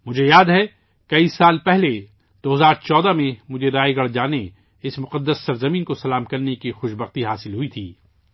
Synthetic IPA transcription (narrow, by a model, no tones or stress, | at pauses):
mʊd͡ʒʱejaːd̪ɦɛ | kɐisaːlpɛɦle | d̪̥oːɦɐzaːɾt͡ʃɔːd̪amẽmʊd͡ʒʱeɾaːeɡɐɽd͡ʒaːne | ɪsmʊqəd̪ːəsːɐɾzɐmiːnkosɐlaːmkɐɾnekixʊʃbɐxt̪iɦaːsɪlɦʊit̪ʰiː